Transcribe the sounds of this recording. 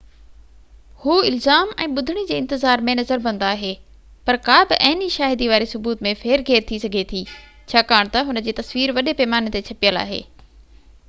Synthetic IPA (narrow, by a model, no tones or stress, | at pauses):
huːɪlzaːmɛ̰̃ːɓʊd̪ʱɪɽ̃id͡ʑeːɪ̃nt̪ɪzaːɾmẽnɐzəɾbɐ̃nd̪aːɦeː | pɐɾkaːbɪʔɐɦɪniʃaːɦɪd̪iʋaːɾisʊbuːt̪mẽfeːɾɡʱeːɾt̪ʰisɐɡʱet̪ʰiː | t͡ɕʰaːkaːɽ̃t̪ɐɦʊnə̆d͡ʑeːt̪ɐsʋiːɾʋɐɗepeːmaːnet̪et͡ɕʰɐpijəla̰ːɦḛː